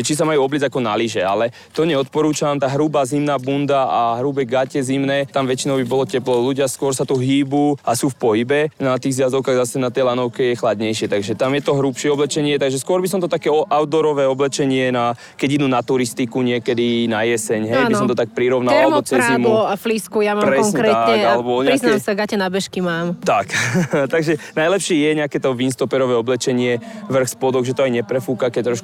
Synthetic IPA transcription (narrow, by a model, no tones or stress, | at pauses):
ʒɛt͡ʃis̬amajuːɔblid͡zakɔnaliʒɛa̰lɛ | t̪ɔɲɛɔt̪̚pɔɾuːt͡ʃamt̪aːɦɾubaːzimnaːbund̪aaɦɾubɛɡacɛzimnɛːt̪amʋɛt͡ʃinɔʊbibɔlɔcɛplɔluɟɪaskʊɔɾsat̪uɦiːbuːasuːfpɔɦibɛnat̪iːɣzjazɔʊkaɣzasɛnat̪ɛjlanɔʊkɛjɛxlad̪ɲɛjʃɪɛt̪aɡʒɛt̪amjɛt̪ɔɦɾupʃɪɛɔblɛt͡ʃɛɲɪɛt̪aɡʒɛskʊɔɾbisɔmt̪ɔt̪akɛɔʔawd̪ɔɾɔʋɛːɔblɛt͡ʃɛɲɪɛna | kɛɟid̪nunat̪uɾist̪ikuɲɪɛkɛd̪inajɛsɛɲɦɛjnbisɔmt̪ɔt̪ak̚pɾiɾɔʊnalmɔt͡sɾɾzaimɔafliskujamaɾɛɔsŋɲkɛɾɛaɲɛalɛbɔɾisasaɡacɛnabɛʃkimaːmt̪akt̪aɡʒɛnajlɛpʃɪiːjɛɲɛakɛːt̪ɔʋinst̪ɔpɛɾɔʋɛːɔblɛt͡ʃɛɲɪɛʋr̩xspɔd̪ɔɣʒɛt̪ɔajɲɛpɾɛfuːkakɛc̚t̪ɾɔʃku